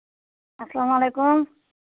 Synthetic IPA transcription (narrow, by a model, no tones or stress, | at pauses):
ɐslamalejkum